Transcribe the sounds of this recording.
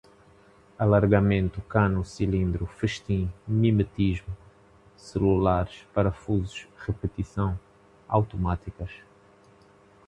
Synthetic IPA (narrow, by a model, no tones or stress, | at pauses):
ɐlɐɾɣɐmẽnt̪ukanusilĩnd̪ɾufɨʃt̪ĩmimɨt̪iʒmu | sɨlulaɾʃpɐɾɐfuzuʃʁɨpɨt̪isɐ̃w̃ | a̰wt̪umat̪ikɐʃ